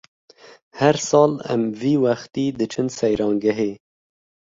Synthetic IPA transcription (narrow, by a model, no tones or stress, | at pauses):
hæɾsɑːla̰mviːwaxt̪iːd̪ɨt͡ʃʰɨnsɛjɾɑːŋɡaɦeː